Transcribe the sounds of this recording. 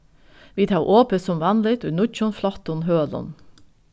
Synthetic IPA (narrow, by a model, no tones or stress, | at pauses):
ʋiːt̪ʰɑːʔoːpəsɔmʋɑnlɪt̪ʉnʊt͡ʃʊnflɑt̪ʊnɦøːlɔ̰n